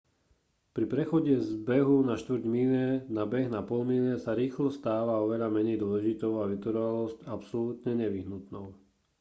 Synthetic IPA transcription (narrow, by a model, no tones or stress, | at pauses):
pɾipɾɛxɔɟɛzbɛɦunaʃt̪ʋɾ̩ɟmilɛnabɛɣnapɔlmilɛsaɾiːxlɔst̪aːʋaɔʋɛʎamɛɲɛjd̪ʊɔlɛʒit̪ɔʊaʋit̪ɔɾɔʋalɔscapsɔluːt̪ɲɛɲɛʋiɦnut̪nɔʊ